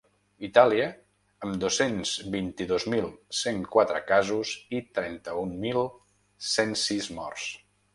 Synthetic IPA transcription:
it̪aliəː | md̪osenzbint̪iðozmilˠseŋkwat̪ɾə̰kazuzit̪ɾɛnt̪əummːilˠ | sensizmɔ̰rs

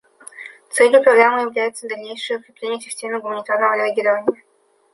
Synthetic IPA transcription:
t̪sɛlʲjʊpɾɐɡɾamɨjɪvlʲæjʊt̪səvd̪ɐlʲnʲejʂɨjəʊkɾʲɪplʲenʲɪjəsʲɪsʲtʲemʲɪɡʊmənʲɪt̪arnəvəɾʲɪɐɡʲiɾəvənʲɪɪ

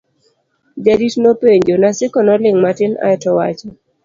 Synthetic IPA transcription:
d͡ʒaditnopeɲd͡ʒonasɪkɔnɔlɪŋmatɪna̰ɛtɔwat͡ʃɔ

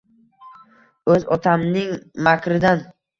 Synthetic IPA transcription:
ɵzɒt̪ʰamnɪŋmakʰʲɾɪd̪an

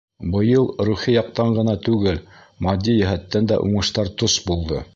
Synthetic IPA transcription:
bɤ̆jɤlˠɾʉχijɑq̚t̪ɑɴɢɤ̆nɑt̪ʉɡɘl | mɑd̪ʲːijæɦæt̪ːænd̪æ̰ʔuɴɤ̆ʃt̪ɑɾt̪osbulˠd̪ɤ

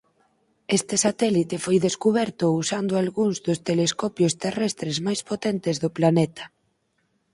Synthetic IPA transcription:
est̪esat̪ɛlit̪efojðeskuβ̞ɛɾt̪ʊusand̪ʊalɣuŋzðʊst̪eleskɔpjost̪erɛst̪ɾezmajspot̪ɛnt̪ezðoplanɛt̪ɐ̥

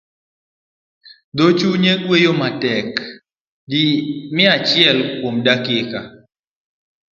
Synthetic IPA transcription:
d̪ot͡ʃuɲeɡwejomatɛk | dimɪat͡ʃjɛlkwomdakɪka

